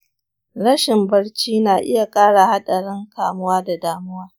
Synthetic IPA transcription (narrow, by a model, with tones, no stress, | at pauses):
ɽɐ˦ʃɪ˨mbɐ˦rt͡ʃiː˦naː˨ʔɪ˦ja˨kʼaː˦ɽa˨ha˦ɗɐ˨ɽɪ˦ŋkaː˨mʊ˦waː˦da˨daː˨mʊ˦waː˦